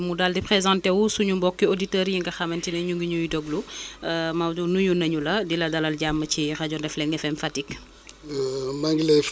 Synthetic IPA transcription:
mudaldipχezãntɛwusuɲumbɔkːioditəːɾjiŋɡɐxɐmɐntinɐɲuŋɡiɲujidɔɡlu | mawunuɲunɐɲulɐdilɐdɐlɐlɟamːət͡ʃirɐɟɔndɛflɛŋɡɛfɛmfatik | maŋɡilɛ

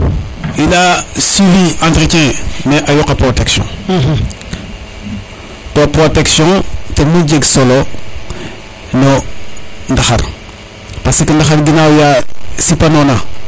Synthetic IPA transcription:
ilasiviãntɾikɛ̃meʔajɔkapɾoteksjɔ̰̃ | topɾoteksjɔ̃temud͡ʒeɡsolo | no | ndaxa̰ɾ | pasekendaxaɾɡinawjasipanona

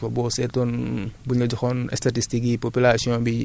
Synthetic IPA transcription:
ɐbɔːsɛtɔnbuɲɐd͡ʒɔxɔnɛ̰statistik̚ipopilasiɔ̃bi

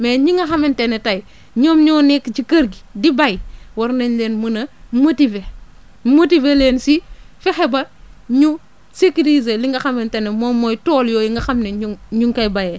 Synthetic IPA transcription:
meɲiŋɐxamentenetaj | ɲoːmɲoːnekd͡ʒikɐɾɡidibajwoɾneɲleːnmunɐmutive | mutiveleːnsi | fixebaɲu | sekidizeliŋɡaxamentenemomojtoːljoːjiŋɡaxamneɲuɲuŋkajbaje

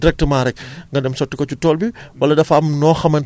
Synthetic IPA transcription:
dɾɛk̚təmaːɾɛk̚ŋɡɐdɛmsɔtːikɔt͡ʃutɔːlbiwɐlɐdɐfɐmnɔːxɐmɐn

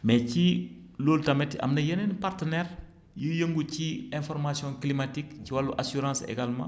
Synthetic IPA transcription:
mɛciloːltamɛtɐ̰mnɐjenɛnpartənɛɾ | jujəŋɡuciɛ̃fɔɾmasjɔ̃klimatikciwalːuʔasyɾɑ̃ːsḛɡalmã̰

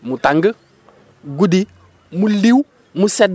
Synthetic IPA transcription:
mutaŋɡə | ɡudi | muliw | musɛd

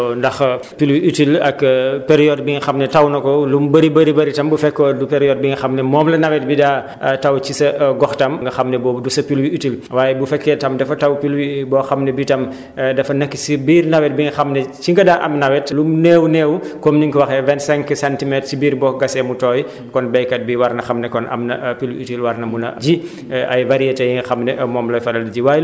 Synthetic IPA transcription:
ndɐx | pilwiʔytilɐkpɛɾijɔd̚biŋɡɐxɐmnɛtɐwnɐkɔlumbɐɾibɐɾibɐɾitɐmbufɛkːɔːdupɛɾijɔːd̚biŋɐxɐmnɛmɔːmlɐnɐwɛt̚bidaː | tɐwt͡ʃisɐɡɔxtɐmŋɡɐxɐmnɛbɔːdusɐpilwiytilwaːjɛbufɛkːɛtɐmdɛfɐtɐwpilwibɔːxɐmnɛbitɐm | dɐfɐnɐkːisibiːrnɐwɛt̚biŋɡɐxɐmnɛt͡ʃiŋɡɐdaːʔɐ̰mnɐwɛtlunɛːwunɛːwukɔmniŋkwɐxɛvɛnsɛŋkisɛntimɛtsibiːɾbɔɡɐsɛmutɔːj | kɔnbɛjkɐt̚biwɐrnɐxɐmnɛkɔnʔɐ̰mnɐpilwḭitilwɐɾnɐmunɐ̰ɟi | ʔɐjvɐɾijɛtɛjiŋɡɐxɐmnɛmɔːmlɔjfɐlɐldɐɟiwaːj

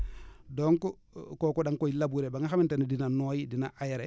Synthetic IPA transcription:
dɔŋkɔ | kɔkɔɗaŋkojilabuɾɛbaŋaxamintɛndinanoːjidinaʔajaɾɛ

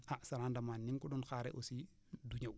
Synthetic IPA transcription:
ʔaʔsɐɾandɐmaːnːiŋkɔɗɔnxaɾɛ̰ʔosi | duɲaw

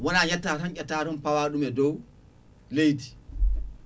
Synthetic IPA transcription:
wɔnaːɲatːataɲkʲːɛtatɔnpawaːɗumɛdɔw | lejti̥

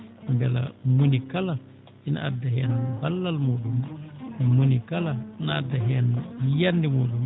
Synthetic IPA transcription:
mbɛla̰munikala | ina̰a̰dːahɛnbalːalmuɗum | munikalanaadːaɦɛnjandimuːɗum

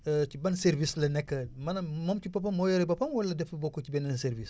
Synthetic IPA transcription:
cibɐnseɾvislɐnɛkːɐmɐnɐmɔmcipɐpɐmːɔjɐɾɐbɐpɐmwɐlːɐdɛfɐbokocibɛnɐnseɾvis

